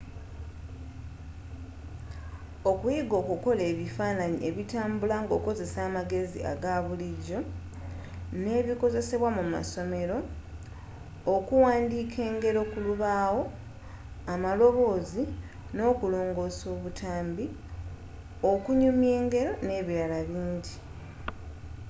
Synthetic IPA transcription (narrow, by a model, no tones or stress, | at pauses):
okwiɡo̞ːkuko̞le̞ːβifaːnaɲḭʔe̞βitaːmbulaŋɡo̞ːko̞ze̞saːmaɡe̞zḭa̰ɡaβuliɟo̞ | ne̞ːβiko̞ze̞se̞βwamuma̰so̞me̞ɾo̞ | kuwaːndiːkʰe̞ːŋɡe̞ɾo̞kuluβaːwo̞ | amalo̞βo̞ːzi | no̞ːkulo̞ːŋɡo̞ːso̞ːβutʰaːmbi | okuɲumje̞ːŋɡe̞ɾo̞ne̞ːβiɾalaβiːɲɟi